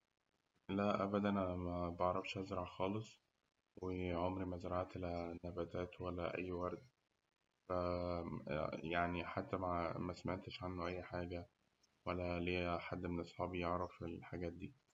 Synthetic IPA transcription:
læʔæbæd̪ʔænæmæbɑʕɾˤɑfʃhæzɾˤɑʕxɑːlesˤ | weʕomɾimæzɾˤɑʕt̪ʔlænæbæːt̪æːt̪wælːæʔæ̰jːwɑɾˤd̪ | fæ | jaʕniħat̪ːæmæmæsmet̪eʃʕanːoʔæjːħaːɡæ | wælːæleːħad̪ːmenʔɑsˤħɑːbijeʕɾˤɑfelħaɡæːt̪̚d̪iː

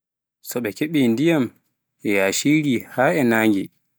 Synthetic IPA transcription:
sɔɓɛkeɓiːndijam | ʔɛjaːʃiːɾiːhaːɛnaːŋɡi

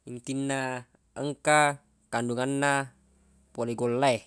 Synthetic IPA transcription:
int̪inːa | əŋka | kanduŋanːa | poleɡolːae

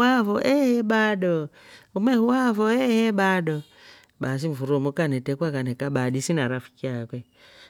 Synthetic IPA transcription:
avɔʔɛhɛɓaɗɔ | umɛhuwavɔɛhɛɓaɗɔ | ɓas̬iɱvuɾɔmukanɛtɛkwakanɛkaɓadisinaɾafi̥kiakwɛ

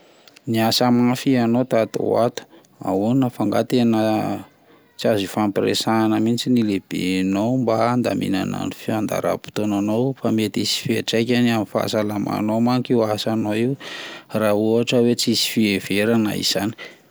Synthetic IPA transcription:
niasamafianot̪at̪o̰wat̪u̥ | a̰uninəfaŋɡa̰t̪enə | t͡siazifampɾḛsaːnəmint͡sinileb̥ḛnombaːnd̪a̰mʔḭna̰na̰nifiand̪a̰ɾa̰pu̥t̪onanowfamet̪isi̥fieʈ͡ʂajkʲanamifa̰salama̰nomaŋikiwasanoiwrauɦaʈ͡ʂəwet͡siisi̥fieveɾana̰ḭz̥ani̥

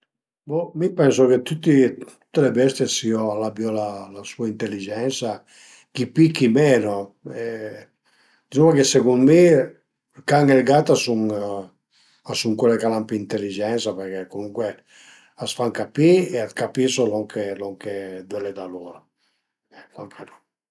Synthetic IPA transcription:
bomipɛnsoket̪ut̪ːit̪u̥t̪ːelebɛst̪jesioalːabjɔlalasuaint̪elːid͡ʒɛnsa | kipikːimɛːnoe | d̪zumakeseɡunmi | kaŋelɡat̪asuŋ | asuŋkwelekalampiint̪elːid͡ʒɛnsapeɾkekomuŋkwe | asfaŋkapieat̪kapisolɔŋkʰelɔŋked̪wɛled̪aloɾa | lɔŋkʰenɔ

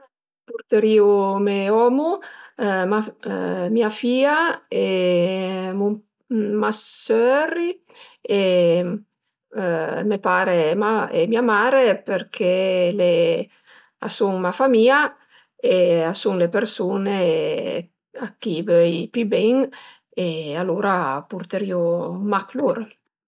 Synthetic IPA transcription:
puɾt̪eɾiːumeɔmu | mamiafiːae | mu | masøɾi | e | mepaːɾemaemiamaːɾepeɾkʰele | a̰suŋmafamiːa | easuŋlepeɾsoːne | akːivøjpybɛŋ | ealoːɾapuɾt̪eɾiomakluɾ

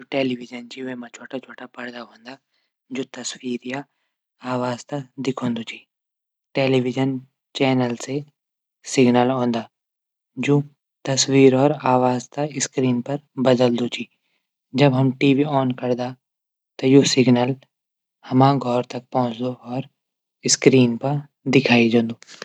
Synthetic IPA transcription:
ʈeːliʋɪd͡ʒənd͡ʒiemãt͡ʃʰoːʈat͡ʃʰoːʈapɐɾd̪aɦõːnd̪aː | d͡ʒoːt̪ɐswiːɾja | aːʋaːzt̪ad̪ɪkʰõːnd̪ot͡ʃʰi | ʈeːliʋɪd͡ʒən | t͡ʃɛːnəlse | sɪɡnəlɦõːnd̪aː | d͡ʒõː | t̪ɐswiːɾɔːɾaːʋaːzt̪aɪskɾiːnpɐɾbɐd̪əld̪ot͡ʃʰiː | d͡ʒɐbɦɐmʈiːʋiɔːnkɐɾd̪a | t̪ojosɪɡnəl | hɐmãːɡʱɔːɾt̪ɐk̚pɔ̃ɦʊ̃t͡ʃd̪oɔːɾ | ɪskɾiːnpɐɾ | d̪ɪkʰaːid͡ʒõːnd̪oː

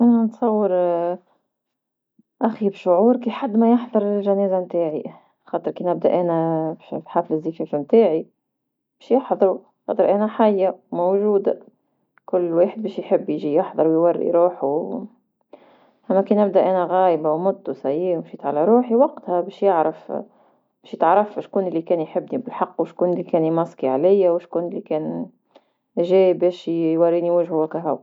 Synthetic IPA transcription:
ʔanansˤɑwːɪɾ | ʔaxibʃʊʕuːɾkiːħad̪ːmajɪħðˤɑɾˤɪlʒaneːzamt̪eːʕi | xɑːt̪ˤɨɾkiːnʔɪb̚d̪a̰ʔanafħaːflɪzːiːfefmt̪eːʕi | b̥eːʃjɪħðˤɑɾu | xɑ̰ːt̪ˤɨɾʔanaħajːamowʒuːd̪a | kʊlːweːħɪd̪̚beːʃjħɪbːjɪʒijɪħðˤɑɾˤwjwɑrːḭɾuːħu | ʔæmækiːnʔæb̚d̪æʔænæɣæːjbawmʊt̪ːusæjiːwʃiːt̪ʕalæɾˤuːħiwɑqt̪hæbɛːʃjɪʕɾɑf | bɛːʃjt̪ʕɾˤɑfʃkuːnɪlːikɛːnjħɪbːnibɪlħɑqːwʃkuːnɪlːikɛːnmɑsˤkiʕalɪjːawʃkuːnlːikɛːn | ʒɛːbɛːʃjwɑrːiːniwæʒhʊwækæɦʊw

